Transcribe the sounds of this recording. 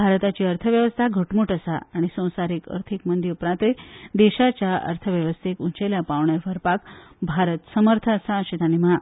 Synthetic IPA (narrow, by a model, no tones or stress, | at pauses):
bʱaɾt̪at͡ɕiːəɾt̪ʰəʋjəʋəst̪ʰaɡʱəʈmuʈəsaaɽ̃isə̃w̃saɾiːkə̰ɾt̪ʰikmənd̪iɾpɾãt̪ed̪eɕat͡ɕjaə̰ɾt̪ʰəʋjəʋəst̪ʰikuɲt͡ɕeljapaʋɳjaɾʋəɾpakbʱaɾət̪səməɾt̪ʰəəsaɕit̪añima